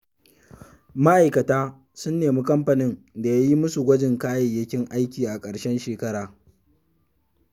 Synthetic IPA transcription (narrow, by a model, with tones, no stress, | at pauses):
ma˦ʔa˨jkɐ˨taː˦ | sʊ˦nːeː˨mi˦kʼɐ˦mɸɐ˨nɪ˦n | da˨ja˦ji˦mʊ˦su˨ɡʷɐ˦d͡ʒɪ˨ŋkaː˦jɐ˨jɐ˦kʲɪ˦ŋʔa˦jkʲiː˨ʔa˨kʼɐ˨ɽʃɛ˦nʃeː˨kɐ˦ɽaː˨